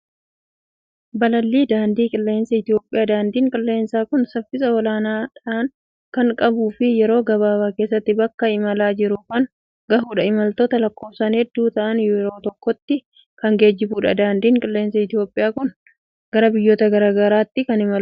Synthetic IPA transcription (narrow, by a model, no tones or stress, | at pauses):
bɐlɐlːiːd̪aːnd̪iːkʼɪlːe̞ːnsɐɪt̪ɪjo̞ːpʼːɪjaːd̪aːnd̪iːŋkʼɪlːe̞ːnsaːkʊnsɐfːɪsɐɔlaːnaːᶑɐʔɐn | kɐŋkʼɐbuːfɪjɛɾo̞ːɡɐβaːbaːkeːsːɐt̪ːɪbɐkːɐɪmɐlaːd͡ʒɪɾʊkɐŋ | ɡɐɦuːᶑɐɪmɐlt̪oːt̪ɐlɐkːoːbsaːnhɛd̪ːuːt̪ɐʔɐnjɛɾo̞ːt̪ɔkːɔt̪ːɪ | kɐŋɡe̞ːd͡ʒːɪbuːᶑɐ̰d̪aːnd̪iːŋkʼɪlːe̞ːnsɐɪt̪ɪjo̞ːpʼːɪjaːkʊn | ɡ̥ɐɾɐbɪjːoːt̪ɐɡɐɾaːɡɐɾaːt̪ːɪkɐnɪmɐl